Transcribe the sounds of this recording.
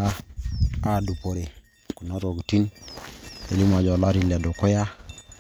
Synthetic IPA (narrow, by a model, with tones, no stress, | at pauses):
a˦ | a˦du˨po˨ɾe˨ | ku˨na˦to˨ɡti˦n | e˨li˦ma˨d͡ʒo˨la˦ɾi˦˨la˨do˨ko˦ja˦